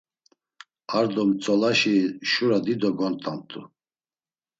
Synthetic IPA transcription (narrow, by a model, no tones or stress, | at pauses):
aɾd̪ɔmt͡sʼɔlaʃiʃuɾad̪id̪ɔɡɔnt̪ʼamt̪ʰʼu